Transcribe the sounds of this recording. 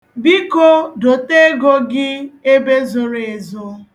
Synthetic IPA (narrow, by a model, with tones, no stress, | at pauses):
bi˦ko˦do˨te˦ɡo˦ɡɪ˦e˦be˦zʊ˨ɾe˨zʊ˦